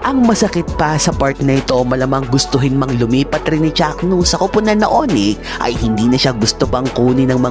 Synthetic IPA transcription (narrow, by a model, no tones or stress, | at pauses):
ʔɐŋmɐsɐkɪt̪̚pɐsɐpaɾt̪nɐʔɪt̪o̞mɐlɐmɐŋɡʊst̪ʊɦɪnmɐŋlʊmiːpɐt̪ɾɪnːɪt͡ʃaknusɐkopʊnɐno̰ʔonɛ | ʔɐ̰jhɪnd̪iːnɐʃaɡʊst̪opɐŋkuːnɪnɐŋmɐ